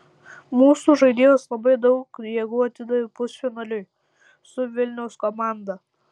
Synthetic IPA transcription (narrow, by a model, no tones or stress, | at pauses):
muːsuʒɐɪd̪ʲeːjoːslˠɐbɐɪd̪ɐʊkjɛɡʊːɐt̪ʲɪd̪ɐʋʲɪpʊsʲfʲɪnɐlʲʊj | sʊʋʲɪlʲnʲɛʊskomɑˑnd̪ɐ